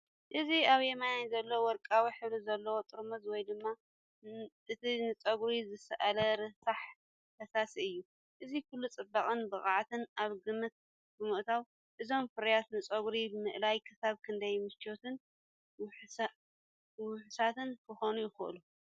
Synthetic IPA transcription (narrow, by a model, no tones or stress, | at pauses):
ʔɨziaβjemajanzɐlːɐwwɔɾkʼawiħɨβlɨzɐlːɐwot̪ʼɨɾmɐzwɔjd̪ɨmːa | ɨt̪ʰinɨt͡sʼɐɡɾizɨsɐʔalɐɾɨsaħ | t̪ʰɐsasiɨjːu | ʔɨzikʰulːut͡sʼɨbːaχʼɨnbɨχʼaʕt̪ʰɨnʔaβɡɨmːɨt̪̚ | bɨmɨʔt̪ʰaw | ʔɨzo̞mfɨɾɐjat̪nɨt͡sʼɐɡɾibɨmɨʔlajkʰɨsaβkʰɨnd̪ɐjmɨst͡ʃot̪ʰɨn | wħ | wʊħsat̪ɨnkʰɨxonujɪxɨʔɨ̰lu